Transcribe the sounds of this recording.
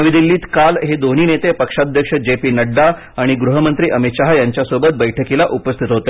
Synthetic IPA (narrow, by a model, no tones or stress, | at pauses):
əʋid̪ilːiːt̪kalɦed̪oniːnet̪epəkʂad̪ʱjəkʂəd͡ʑepiːnəɖːa | aɽ̃iɡɾuɦəmənt̪ɾiːʔəmit̪ɕaɦjaɲt͡ɕjasobət̪̚bəjʈʰəkilaʔupəst̪ʰit̪ɦot̪e